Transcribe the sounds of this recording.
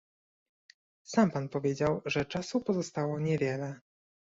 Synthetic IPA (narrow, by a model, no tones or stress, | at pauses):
sampanpɔvʲjed͡ʑawʐɛt͡ʂasupɔzɔst̪awɔɲɛvʲjɛlɛ